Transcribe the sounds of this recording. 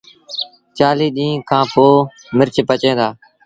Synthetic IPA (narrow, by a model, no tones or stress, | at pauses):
t͡ʃaːliːɗ̪ĩːkʰãːpoː | mɪɾt͡ʃpət͡ʃẽːd̪aː